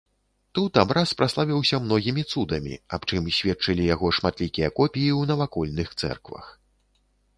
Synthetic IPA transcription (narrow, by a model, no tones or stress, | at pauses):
t̪ut̪abɾaspɾaslˠavʲiwsʲɐmn̪ɔɣʲimʲit̪sud̪ɐmʲḭapt͡ʂɨmsʲvʲɛt̪t͡ʂɐlʲijaɣɔʂmat̪lʲikʲijɐkɔpʲijiwnɐvakɔlʲnɨxt̪sɛ̰rkvɐ̰x